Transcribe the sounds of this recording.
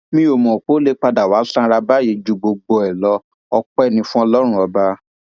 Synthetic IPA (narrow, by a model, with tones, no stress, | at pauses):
mĩ˦o˨mɔ̃˨k͡po˨˦le˦k͡pa˧da˨waː˨˦sã˦ɾa˧ba˦˨je˧˦d͡ʒu˨˧ɡ͡bo˧ɡ͡bɔ˧ɛ˨lɔ˧˦ | ɔ˧k͡pɛ˦˨nĩ˧fũ˦ɔ˧lɔ˦ɾ̃ũ˦ɔ˧ba˧˦